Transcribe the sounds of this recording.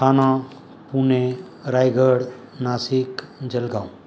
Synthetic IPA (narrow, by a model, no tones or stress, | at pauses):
kʰanã | pune | ɾajɡʱəɽ | nasikd͡ʒəlɡãw̃